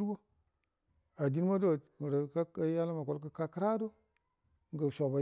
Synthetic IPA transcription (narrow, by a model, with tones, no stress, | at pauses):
ɾbo˦ | a˨di˦n˦ma˦do˦˨m˨ɾə˨ka˦ka˦ja˦la˦ma˨ko˨lkə˨ka˦kɾa˦do˦ | ŋ˦ɡə˨ʃo˨ba˨